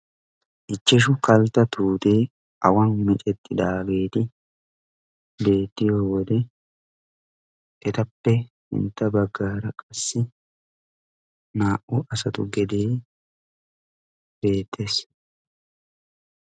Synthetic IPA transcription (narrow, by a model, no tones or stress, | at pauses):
ʔɪt͡ʃːɛʃ̬ʊkɐlt̪ɐt̪ʰuːt̪eː | ʔɐ̰wɐnmɪt͡ʃʼɛt̪ːɪd̪aːɡe̞ːt̪ɪ | be̞ːt̪ːɪjoːwɔd̪ɛ | ʔɛt̪ɐpːɛ | hɪ̰nt̪ːɐbɐɡːaːɾɐkʼɐsːɪ | naːʔʊʔɐsɐt̪ʊɡɛd̪eː | b̥e̞ːt̪ʰːeːs